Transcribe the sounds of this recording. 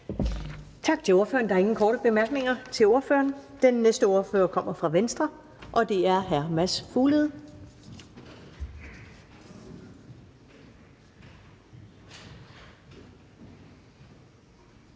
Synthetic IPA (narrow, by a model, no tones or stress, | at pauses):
t͡sʰɑ̈ɡ̥̚t͡sʰe̝lo̝ɐfø̰ːɐn̩dɑɐe̝ŋn̩kʰɒːɾəb̥e̝mæɐɡ̥ne̝ŋɐt͡sʰe̝lo̝ɐfø̰ːɐnd̥enːesd̥əo̝ɐføːɐkʰɒ̽m̰ɐfʁɑ̈ʋensd̥ʁɐ | ʔɒ̽d̥e̝æɐɦæɐmæsfuːleð̩ˠ